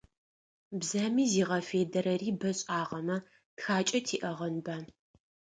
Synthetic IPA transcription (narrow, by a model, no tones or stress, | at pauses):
bzaːmiːziːʁɐfeːdɐɾɐriːbɐɕʼaːʁɐmɐ | txaːt͡ʃʼɐtʰiːʔɐʁɐnbaː